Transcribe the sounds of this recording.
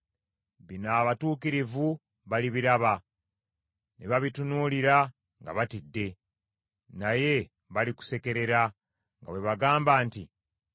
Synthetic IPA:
βinaːβatuːkiɾivu | βaliβiɾaβa | neβaβitunuːliɾa | ŋɡa̰βatidːe̞ | naje̞ | βaliku̥se̞ke̞ɾe̞ɾa | ŋɡa̰we̞βaɡaːmbaːnti

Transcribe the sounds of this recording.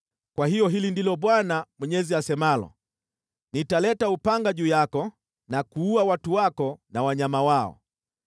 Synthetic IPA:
kwahijɔɦilindilɔɓwanamwɛɲɛziasɛmalɔ̰ | nitalɛtaupaŋɡaʄuːjakɔ | nakuuawatuwakɔnawaɲamawaɔ̰

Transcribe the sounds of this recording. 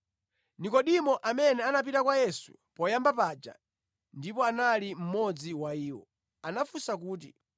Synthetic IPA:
nikɔɗimɔʔamɛnɛanap̬itakwajɛsu̥̰ | pɔjambapad͡ʒa̰ | ndipɔanalim̩mɔd͡ziwaiːwɔ̰ | anafusak̬uːt̬ḭ

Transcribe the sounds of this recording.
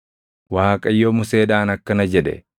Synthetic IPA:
waːkʼɐjːomʊseːᶑaːnɐkːɐnɐd͡ʒɛᶑɛ̰

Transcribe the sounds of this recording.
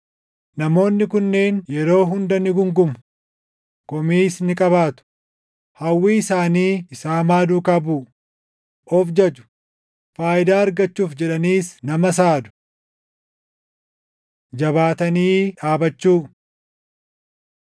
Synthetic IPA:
nɐmo̞ːnːɪkʊnːeːnjɛɾo̞ːɦʊnd̪ɐnɪɡʊŋɡʊmʊ | kɔmiːsnɪkʼɐβaːt̪ʊ̥ | hɐwːiːɪsaːniːɪsaːmaːd̪uːkɐbuːʔ | ʔɔfd͡ʒɐd͡ʒʊ̥ | faːʔɪd̪aːɐɾɡɐt͡ʃːuːfd͡ʒɛᶑɐniːsnɐmɐs̬aːd̪ʊ̥ | d͡ʒɐbaːt̪ɐniːᶑaːbɐt͡ʃːuː

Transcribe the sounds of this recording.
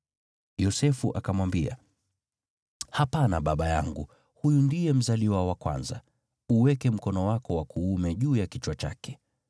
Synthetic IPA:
jɔsɛfuʔakamwambia̰ | hapanaɓaɓaja̰ŋɡu | hujundijɛm̩zaliwawakwa̰nza̰ | uwɛkɛm̩kɔnɔwakɔwakuːmɛʄuːjakit͡ʃwat͡ʃa̰kɛ̥

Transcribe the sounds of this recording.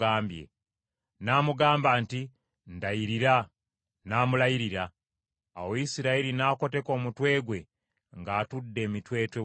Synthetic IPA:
aːmbjḛ | naːmuɡaːmbaːnti | ndajiɾiɾa | naːmulajiɾiɾaː | woisiɾaiɾinaːko̞te̞ko̞ːmutwe̞ːɡwe̞ | ŋɡaːtudːe̞ːmitwe̞ːtwe

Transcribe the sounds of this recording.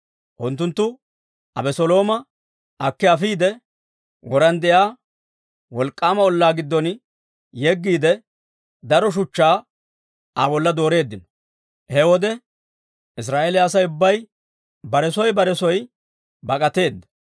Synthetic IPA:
ʔʊnt̪ːʊnt̪ːʊ | ɐ̰bɛsɔlo̞ːmɐ | ʔɐkːɛɐfiːd̪ɛ | wɔɾɐnd̪ɛjaː | wɔlkʼːaːmɐɔlːaːɡɪd̪ːɔn | jɛɡːiːd̪ɛ | d̪ɐɾɔʃ̬ʊt͡ʃːaː | ʔabɔlːɐd̪o̞ːɾe̞ːd̪ːɪnɔ̥ | hɛwɔd̪ɛ | ʔɪs̬ɾaːʔelɪɐsɐjʊbːɐj | bɐɾɛsɔjbɐɾɛsɔj | bɐkʼɐt̪e̞ːd̪ːɐ̥

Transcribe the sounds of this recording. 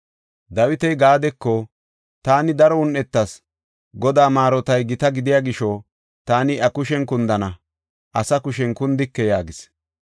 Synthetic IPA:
d̪ɐwɪt̪ɛjɡaːd̪ɛkːɔ | t̪aːnɪd̪ɐɾɔʊnʔːɛt̪ːɐs | ɡɔd̪aːmaːɾɔt̪ɐjɡɪt̪ɐɡɪd̪ɪjaːɡɪʃɔ | t̪aːnɪɐkʊʃɛnkʊnd̪ɐnɐ | ʔɐsɐkʊʃɛnkʊnd̪ɪkːɛjaːɡɪs

